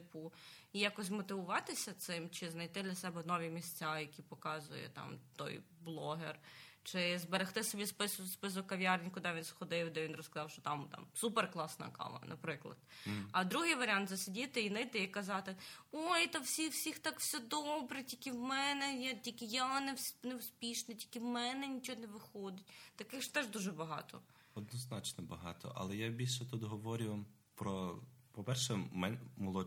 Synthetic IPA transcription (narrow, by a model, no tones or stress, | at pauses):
ɪpuijakɔs̬ʲmɔt̪ɪʋʊʋɑt̪ɪsʲɐt̪sɪmt͡ʃɪznɐjt̪ɪd̪lʲɐsɛbɛnɔʋʲimʲisʲt͡sʲajɐkʲipɔkɑzʊ̰jɛ̰t̪ɑ̰mt̪ɔ̰j | blˠɔɦḛrt͡ʃɪzbeɾext̪ɪsɔbʲispɪsʊspɪs̬ʊkːɐʋʲjɑrnʲkʊd̪ɛʋʲinsxɔd̪ɪwd̪ɛʋinrɔskɐzɑwʃt͡ʃɔt̪ɑmt̪ɑ̰msupɛrklˠɑsnɐ̰kɑ̰lˠɐ̰nʔɐ̰pɾɪklˠɐ̰d̪ɐd̪ɾuɦɪjʋɐɾʲɪɑnt̪zɐsʲɪdʲit̪ɪinɐɪjt̪ɪikɐzɑt̪ɪojt̪ɐwsʲiwsʲixt̪ɑkwsʲɔd̪ɔbɾɛtʲikɪwmɛnɛjatʲikɪjanɛwsnɛwspʲiʃnɐtʲi̥kɪwmɛnɛnʲit͡ʃɔɦɔnɛʋɪxɔd̪ɪtʲt̪ɐkɪxʒt̪ɛʒd̪uʒɛbɐɦɑ̰t̪ʰɔ̰ | ɔd̪nɔznɑt͡ʃnɔbɐɦɑ̰t̪ɔ̰ʔɐ̰lˠɛjabʲilʲʃɛt̪ud̪ɦɔʋɔɾʲʊʋɐ | pɾɔpɔpɛrʃɛmɛnmɔlˠɔ